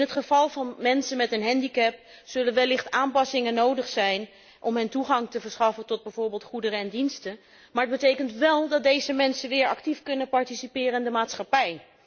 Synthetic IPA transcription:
ɪnɦətχəv̥ɑlˠvɑnmɛnsənmɛtənɦɛndikɛp | sɵlənʋɛlːɪχtaːmpɑsɪŋənowdəχsɛjn | ʔɔmɦəntuχɑŋtəvəɹsχɑfəntɔd̚bɛjvoːɹbɪːlˠtχudərəɛndinstə | maːɹəd̚bətejkəntʋɛlˠdɑt̚dejzəmɛnsənʋɪːɹɑ̰ktifkɵnəpɑɹtisipɪːrəɪndəmaːtsχɑpɛj

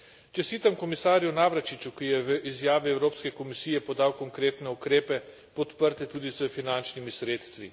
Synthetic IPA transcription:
t͡ʃɛst̪iːt̪amkɔmisaːɾjunaʋɾat͡ʃit͡ʃukijɛʋəʔizjaːʋiɛwɾoːpskɛkɔmisiːjɛpɔd̪aːwkɔŋkɾeːt̪nɛukɾeːpɛ | pɔt̪pəɾt̪ɛt̪uːd̪izəfinant͡ʃnimisɾeːt̪st̪ʋḭ

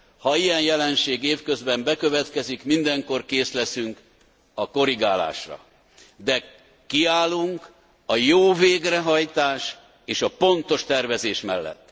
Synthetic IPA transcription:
hɒijɛnjɛlɛnʃeːɡeːfkø̞zbɛmbɛkøvɛt̪kɛzikmind̪ɛŋko̞rkeːslɛsyŋk | ɒko̞ɾiɡaːla̰ːʃrɒ̰ | d̪ɛ | kiaːlːuŋk | ɒjoːveːɡrɛɦɒjt̪aːʃ | eːʃɒpo̞nt̪o̞ʃt̪ɛrvɛzeːʃmɛlːɛ̰t̪ː

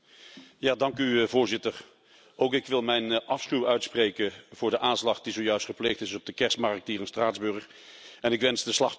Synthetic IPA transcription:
jaːdɑŋkyvʊːɹzɪtər | owkɪkʋɪlˠmɛjnʔɑfsχywœɥtspreːjkəv̥ʊːɹdəʔaːnslɑχdizowjœɥstχəpleːχtɪsɔb̚dəkɛɹstmɑɹk̚tiːrənstraːdzbøɹχ | ɛnɪkʋɛnzdəslɑχ

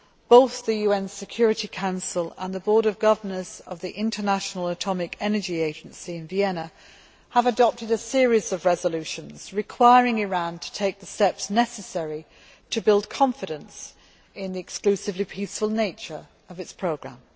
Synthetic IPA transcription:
b̥oʊθðəjʉɛ̃nsɪkʰj̥ɔːɹɪtikʰãʊ̃nsəlˠə̰̃nðəbɔːɾəvɡʌvənəz̥ə̰vðiʔɪ̃ntʰənaʃnəl̩ˠətʰɒmɪkʰɛnəd͡ʒieɪd͡ʒə̃nsiɪ̃nviɛnə | əvədɒp̚tɪɾəsɪəɹizəvɹɛzəlʉˑʃə̃nz̥ɹɪkʰw̥aɪəɹɪ̃ŋɪɹæ̃ntʰə̥tʰeɪk̚ðəstɛpsnɛsəsɛɹi | tʰəbɪlˠd̚kʰɒ̃ɱfɨɾə̃ns | ɪ̃nðiɨksklʉsɪvlipʰisfəlˠneɪt͡ʃə̰˞ | əvɨtspʰɹ̥oʊɡɹã̰m

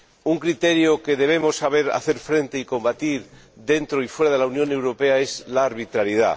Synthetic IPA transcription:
uŋkɾit̪e̞ɾjoke̞ðe̞βe̞mo̞sːaβ̞e̞ɾa̰θe̞ɾfɾe̞nt̪e̞iko̞mbat̪iɾ | ðe̞nt̪ɾoifwe̞ɾaðe̞launjo̞ne̞wɾo̞pe̞ae̞zlaːɾβit̪ɾaɾjið̞a̰

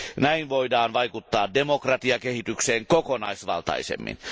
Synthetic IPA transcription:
næinʋo̞idɑːnʋɑikut̪ːɑːddemokrɑt̪iɑkehit̪ykseːŋkokonɑ̰isʋɑ̰lt̪ɑ̰isḛmːḭn

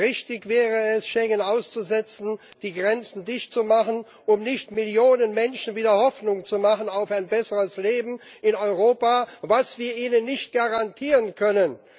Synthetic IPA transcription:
ʁɪçtɪçv̥ɛːʁəɛsʃɛŋənaʊst͡suzɛt͡sn̩d̥iːɡʁɛnt͡sn̩dɪçtt͡sumaχən | ʔʊmnɪçtmɪljoːnənmɛnʃn̩viːdɐhɔfnʊŋt͡sumaχən̩aʊfaɪnbɛsəʁəsleːbm̩ɪnɔʏʁoːpavasv̥iːɐʔiːnənːɪçt̚ɡ̥aʁantʰiːʁənkʰœnən

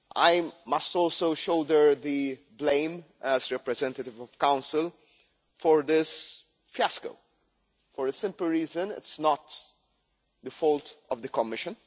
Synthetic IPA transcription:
ʔa̰ɪmɐstɔːlsoʊʃoʊd̪ə˞ði | blẽɪ̃mɛzɹɛpɾɛzɛ̃ntətɪvɔv̥kãʊ̃nsɪl | fɔɹd̪ɪs | fjæsko̰ʊ | fɔɾəsɪ̃mpl̩ɹiːzə̃nɪ̰tsnɔt̪ | d̪əfɔltɔvd̪əkɔmːɪʃə̃n

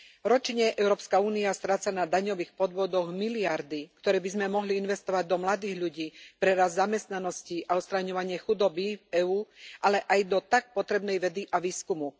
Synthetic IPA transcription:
ɾɔt͡ʃɲɛʔɛʊɾɔːpskauːniast̪ɾaːt͡sanad̪aɲɔʋiːxpɔd̪ʋɔd̪ɔɣmiliaɾd̪ikt̪ɔɾɛːbizmɛmɔɦliinʋɛst̪ɔʋaɟ̚d̪ɔmlad̪iːɣʎuɟiːpɾɛɾazzamɛst̪nanɔsciʔaɔt̪st̪ɾaɲɔʋaɲɪɛxud̪ɔbiɛuːʔalɛʔajd̪ɔt̪ak̚pɔt̪ɾɛbnɛjʋɛd̪iʔaʋiːskumu

